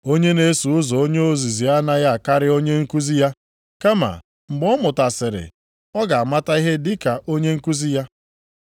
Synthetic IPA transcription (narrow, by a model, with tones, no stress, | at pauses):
o˦ɲe˦ne˦su˨ʊ˦zɔ˨o˦ɲe˦o˦zi˨zi˨a˦na˦ja˦a˨ka˦ɾɪ˦o˦ɲe˦ŋ̩˦ku˦zi˦ja˦ | ka˦ma̰˨ | ŋ͡m̩˨ɡ͡bɔ˦mʊ˨ta˨sɪ˨ɾɪ̰˨ | ɔ˦ɡa˨a˨ma˦ta˦i˦ɦe˦dɪ˦ka˨ʔo˦ɲe˦ŋ̩˦ku˦zi˦ja˦